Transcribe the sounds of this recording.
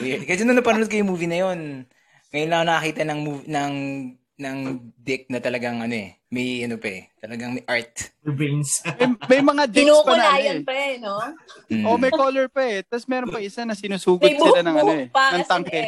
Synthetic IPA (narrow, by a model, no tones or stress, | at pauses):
wikɐsɐnɐnɐpɐnʊnd̪̚kɐjʊŋmuːvinɐjo̞n | ŋɐjonlɐonɐkɐkiːt̪ɐnɐŋmuvinɐŋ | nɐŋd̪ɪk̚nɐt̪ɐlɐɡɐŋʔɐnoɛ | mɐjʔɐnopɐɛt̪ɐlɐɡɐŋmɐjʔaɹt̪̚binsmɐjmɐjmɐŋad̪ɪknospɐnaajpɛnoʔomɐjkoːlɛɹpɐʔɛt̪asmɛːɾonpɐʔɪsanɐsɪnuːsuːɡʊsɪlɐnɐŋɐnoɛpnɐŋt̪ɐŋkɛ